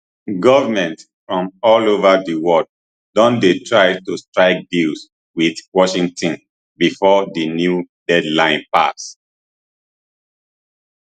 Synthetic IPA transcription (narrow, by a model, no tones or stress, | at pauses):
ɡɔvəmɛ̃nt | fɹɔ̃mɔlovədiwɔld̚ | dɔ̃ndetʰɹaɪtustɹaɪk̚bils | widwɔʃĩŋtʰɔ̃n | bifɔdinjudɛdlãɪ̃npa̰s